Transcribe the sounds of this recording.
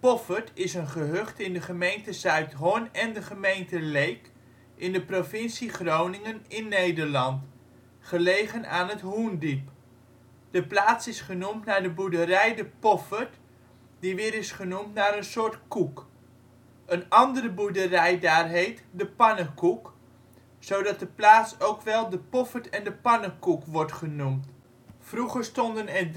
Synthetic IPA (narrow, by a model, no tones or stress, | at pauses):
pɔfəɹtɪsənχəɦøχtɪndəχəmejntəzœɥtɦɔnɛndəχəmejntəlejk | ʔɪndəprovɪnsiχrownɪŋənɪnːejdəɹlɑnt | χəlejχənaːnətɦundip | d̥əplaːtsɪsχənumtnaːɹdəbuɹdərɛjdəpɔfəɹt | diʋɪːɾɪsχənumtnaːɾənsʊːɹtkuk | ənɑndərəbuɹdərɛjdaːɹɦejtdəpɑnəkuk | sowdɑt̚dəplaːtsowkʋɛlˠdəpɔfəɹtɛndəpɑnəkukʋɔɹtχənumt | fruχəɹstɔndənɛɹ